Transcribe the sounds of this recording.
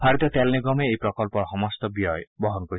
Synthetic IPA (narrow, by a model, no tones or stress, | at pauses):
bʰaɾit̪ɔt̪ɛlniɡɔmeejpɾɔkɔlpɔɾɦɔmɔst̪ɔbijɔjbɔɦɔnkɔɾi